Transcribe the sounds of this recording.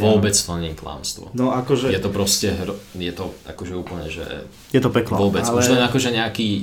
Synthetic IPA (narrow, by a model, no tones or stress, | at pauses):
ʋɔbɛt͡spl̩ɲiːkla̰ːmst̪ʋɔ̰nɔakɔʒɛjɛt̪ɔpɾɔscɛɦɾɔjɛt̪ɔʔa̰kɔʒɛuːpl̩ɲɛʒɛ̰ | jɛt̪ɔpɛklɔʋɔbɛt͡sluɛsɛɲɛakɔʒɛɲɛakiː